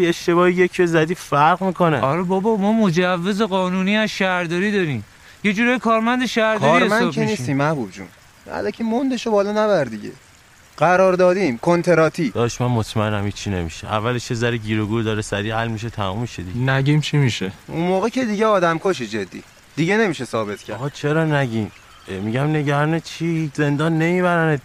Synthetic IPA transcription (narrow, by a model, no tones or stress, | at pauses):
eʃt̪e̞βɒːijecʰbezæd̪iːfæɾɣmiːkʰo̞neʔɒɾɛbɒbɒmɒːmo̞d͡ʒævːe̞ze̞ɣɒːnuːniːæzʃæɾd̪ɒːɾiːd̪ɒɾim | je̞d͡ʒuːɾɒːjekʰɒːɾmænd̪eʃæɾdk̪ʰːɒːɾiɾemæekʰeniːsit̪iːmːæhbubd͡ʒṵn | æ̰lɒcʰimond̪eʃobɒːlɔnæβæɾd̪iɟḛ | ɢæɾɒːɾd̪ɒːd̪iːmkʰont̪ʰe̞ɾɒːt̪ʰiːd̪ɒːʃmænmot̪ʰmæenæmit͡ʃʰiːne̞miʃḛʔæ̰vːæleʃezæɾiɟiːɾoɡuːd̪ɒːɾesæɾiːɦælmiʃ̬et̪ʰæmumːiʃed̪iɡnæɟimt͡ʃʰimiʃeunmoːɣecʰed̪iɟeɒːd̪æmkʰoʃ̬id͡ʒed̪ːḭː | d̪̥iɟene̞miːʃesɒːbe̞t̪ʰkcʰæʁɒːt͡ʃʰeɾɒːnæɟim | miɟæmne̞ɟæɾɒːnet͡ʃʰihize̞nd̪ɒːnːe̞miːβæɾæne